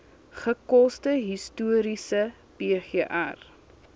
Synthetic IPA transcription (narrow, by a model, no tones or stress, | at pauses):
χəkɔstəɦistuəɾisə | beːχeːʔæ̰r